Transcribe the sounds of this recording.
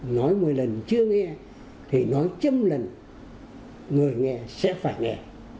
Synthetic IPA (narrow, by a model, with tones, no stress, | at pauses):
nɔ˨˦jmɨ˨˩əjlə˨˩nt͡ɕɨ˧əŋɛ˧ | t̪ʰi˨˩nɔ˨˦jt͡ɕə˧mlə˨˩n | ŋɨ˨˩əjŋɛ˧sɛ̰˧˥faː˧˩jŋɛ̰˨˩